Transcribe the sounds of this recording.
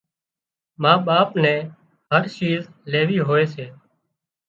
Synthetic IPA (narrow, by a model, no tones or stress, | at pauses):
mãːɓaːpnɛ̃ː | ɦəɾt͡ʃiːzleːʋiːɦoːeːseː